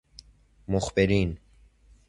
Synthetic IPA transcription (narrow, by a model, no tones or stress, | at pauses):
moxbeɾiːn